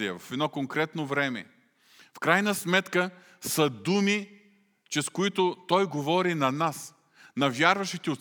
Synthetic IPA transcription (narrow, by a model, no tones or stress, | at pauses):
iəvɐfɛd̪nɔkoŋkɾɛt̪novɾɛmɛ̰ | fkɾajnəsmɛt̪kə | səd̪umi | t͡ʃɛskʊit̪ʊt̪ɔjɡovɔɾinɐnas | nɐvʲjaɾvɐʃit̪ɛot̪